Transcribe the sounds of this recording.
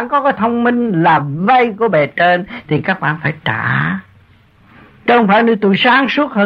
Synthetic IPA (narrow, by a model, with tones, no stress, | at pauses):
aː˧˨nkɔ˨˦kaː˨˦jt̪ʰə˧wŋ͡mmï˧ŋ̟laː˨˩və˧jku˧˩əɓɛ˨˩t͡ɕe˧nt̪ʰi˨˩kaː˦˥k̚ɓa̰ː˧˨nfaː˧˩jtaː˧˩ | t͡ɕə˧wŋ͡mfaː˧˩jɲɨ˧˩t̪u˧˩˨jsaː˨˦ŋsu˦˥ət̚həː˧